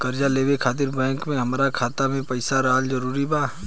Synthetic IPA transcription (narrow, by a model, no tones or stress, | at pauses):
kɐɾd͡ʒaleːʋekʰaːt̪̬ɪɾbɛ̃ːŋkmẽɦɐmːɾakʰaːt̪amẽpɐɪsaɾaːlzəɾuːɾibaː